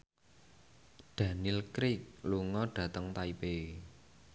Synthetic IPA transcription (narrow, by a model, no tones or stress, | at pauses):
ɖ̪̥ä̤nɪlkɾɪk̚luŋɔɖ̥ä̤t̪əŋt̪aipe